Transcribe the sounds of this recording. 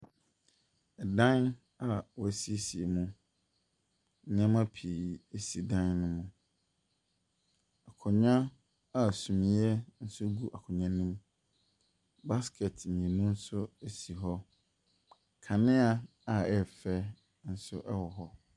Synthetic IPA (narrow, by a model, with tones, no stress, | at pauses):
ɛ˨dã˦n | a˨wɔ˨æ˨si˦e˦si˨e˨mũ˦ | ɲ̩˨˦ɲã˦mã˦pʰi˨e˦si˨dã˦nːʊ̃˦mʊ̃˨ | a˨kʰʊ̃˨ɲã˦ | a˦˨sũ˨mĩ˨˦ɛ˦n̩˦sʊ˦ɡu˦ʔa˨kʰʊ̃˨ɲã˦nĩ˦m | ba˦skʰɛ˨t̩˨ɛ̃˨nũ˦n̩˦sʊ˦e˦si˨ɦɔ˦ | kʰa˨nɪ̃˦a˦ | a˨ɛ˦˨fɛ˦ | n̩˦sʊ̰˦ʔɛ˦wɔ˨ɦɔ˦